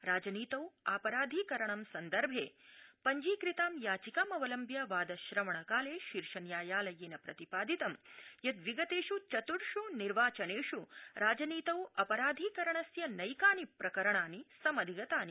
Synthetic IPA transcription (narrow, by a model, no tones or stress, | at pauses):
ɾaːd͡ʒɐniːt̪ɐwaːpɐɾaːd̪ʱiːkɐɾɐɳɐmsɐnd̪ɐɾbʱḛːpɐɲd͡ʒiːkɾit̪aːmjaːt͡ʃikaːmɐʋɐlɐmbjɐʋaːd̪ɐʃɾɐmɐɳɐkaːleːʃiɾʂɐnjaːjaːlɐjeːnɐpɾɐt̪ipaːd̪ʱit̪ɐmjɐd̪ʋiɡɐt̪eːʂut͡ʃɐt̪uɽʂuniɾʋaːt͡ʃɐneːʂuɾaːd͡ʒɐniːt̪ɐwɐpɐɾaːd̪ʱiːkɐɾɐɳɐsjɐnɐjkaːnipɾɐkɐɾɐɳaːnisɐmɐd̪ʱiɡɐt̪aːni